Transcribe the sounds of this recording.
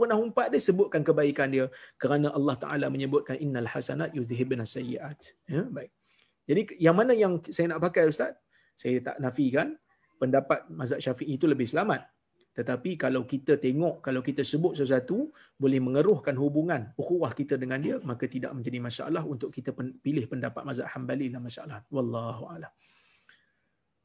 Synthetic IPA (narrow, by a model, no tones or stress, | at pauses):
pənaɦumpaʔ̚dəsəbʊt̪̚kankəbaikandiəkəɾanãʔalːɑht̪a̰ʔa̰laməɲəbʊt̪̚kanʔinːalħasanat̪̚jut̪aɦɪb̚nasːajḭʔat̪̚ | jəbaɪk̚ | d͡ʒadijaŋmanãjaŋsajanaʔpakajəst̪at̪̚ | sajət̪a̰ʔnafikan | pəndapat̪̚mazaʔʃafiʔit̪uləbɪhsəlamat̪̚ː | ət̪apikalawkit̪ət̪eŋɔʔkalawkit̪əsəbʊt̪̚səs̬uat̪u | bolɛhmə̃ŋəɾʊhkanhubuŋãnuxuwahkit̪ədəŋãndiəmakət̪ida̰ʔmə̃ɲd͡ʒadimãʃa̰ʔalaɦunt̪ʊʔkit̪əpilɪhpəndapat̪̚maza̰ʔhambalilamãʃaʔalahwɑlːɑɦua̰lam